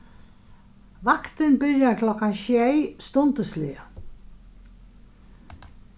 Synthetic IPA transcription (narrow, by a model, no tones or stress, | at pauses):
vakt̪ənbɪɾjaɾkʰlɔkːanʃjɛjst̪ɔnt̪əslɪə